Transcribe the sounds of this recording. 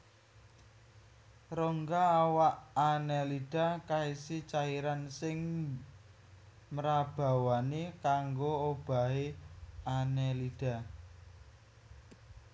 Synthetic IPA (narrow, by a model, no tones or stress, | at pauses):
roŋɡaːwaʔːnɛliɖ̥a̤kaisit͡ʃaiɾansɪŋ | məɾab̥a̤wanekaŋɡoob̥a̤ɦeanɛliɖ̥a̤